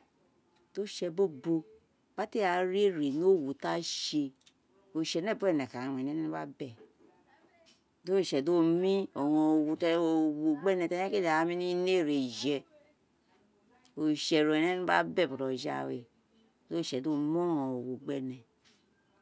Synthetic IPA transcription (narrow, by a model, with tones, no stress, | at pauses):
do˦ʃɛ˨bo˦bo˦ | b̥a˦te˦a˨ɾe˦ɾi˨no˦˨wu˨ta˦ʃe˨ | o˨ʃɛ˨nɛ˦˨bu˦ɛ˦˨ne˨ka˨a˨we˨ne˦nɛ˦n˦ba˦bɛ˨ | do˦˨ʃɛ˨do˦mi˦o˨ŋo˨o˨wu˨to˨wu˨ɡ͡bɛ˦nɛ˨te˦e˦ke˦da˨˦mi˦ni˦ne˦˨ɾe˨d͡ʒɛ˨ | o˨ʃe˨ɾo˨e˨ne˦n˦ba̰˦bɛ˦˨bo˨ɾo˨d͡ʒa̰˦˨wḛ˨ | do˦˨ʃɛ˨do˦m˦o˦ŋɔ˨o˨wu˨ɡ͡bɛ˦nɛ˨